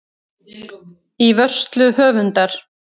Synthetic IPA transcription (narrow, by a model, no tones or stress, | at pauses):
ivœr̥st̪lʏhœːvʏnt̪aɾ̥